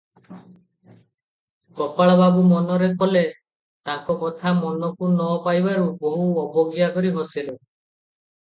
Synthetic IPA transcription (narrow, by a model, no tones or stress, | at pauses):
kɔpaɭɔbabumɔnɔɾekɔle | t̪aŋkɔkɔt̪ʰamɔnɔkunɔpajbaɾuboɦuɔbʱɔɡjakɔɾiɦosilo